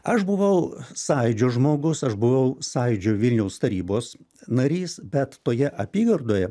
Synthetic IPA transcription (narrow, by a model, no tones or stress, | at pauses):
ɐʃbʊʋɐʊsɑɪd͡ʒʲoːʒmoːɡʊsɐʃbʊʋɐʊsɑɪd͡ʒʲoʋʲɪlʲnʲɛʊst̪ɐɾʲiːboːs | nɐɾʲiːsbʲɛt̪tːoːjɛʔɐpʲiːɡɐrd̪oːjɛ